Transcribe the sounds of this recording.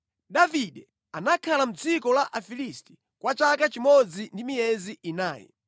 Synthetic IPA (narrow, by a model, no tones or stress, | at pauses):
ɗaviɗɛ | anakʰalam̩d͡zikɔlaʔafilisti̥ | kwat͡ʃakat͡ʃimɔd͡zindimijɛziʔinaːjɛ̰